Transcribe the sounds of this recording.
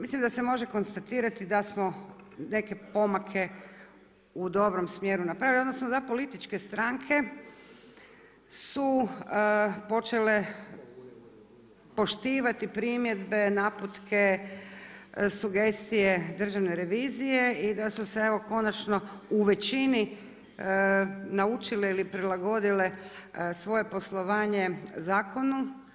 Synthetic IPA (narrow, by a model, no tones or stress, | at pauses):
mislimd̪ase̞mo̞ʒe̞ko̞nst̪at̪iːɾat̪id̪asmo̞ne̞ke̞po̞makʰe̞ | ud̪o̞bɾo̞msmje̞ɾunapɾaʋilod̪nosnod̪apo̞lit̪it͡ʃke̞st̪ɾaŋkʰe̞ | su | po̞t͡ʃe̞le̞ | po̞ʃt̪iːʋat̪ipɾimje̞d̪be̞naːput̪kʰe̞ | suɡe̞st̪ije̞d̪r̩ʒaʋne̞ɾe̞ʋiːzije̞id̪asuseeʋo̞ko̞nat͡ʃno̞uʋe̞t͡ʃini | naut͡ʃileilipɾilˠaɡo̞d̪ile̞sʋo̞je̞po̞slˠo̞ʋaːɲe̞zaːkʰo̞nu